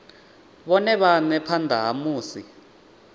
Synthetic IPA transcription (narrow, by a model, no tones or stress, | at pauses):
ɓɔnɛɓanɛpʰand̪ʱaɦamuːsi